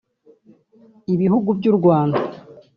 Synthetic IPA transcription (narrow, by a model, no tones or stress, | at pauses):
iβihuɡubjuɾɡwaːnda